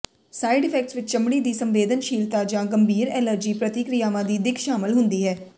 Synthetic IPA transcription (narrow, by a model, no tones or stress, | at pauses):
saːiɖɪpʰɛk̚ʈsʋɪt͡ʃt͡ʃəmɽiːd̪iːsəmʋeːd̪ənʃiːlt̪aːd͡ʒãːɡəmbʱiːɾɛːləɾd͡ʒiːpɾət̪ɪkɾijaːʋãːd̪iːd̪ɪkʰʃaːmɪlɦʊnd̪iːɦɛː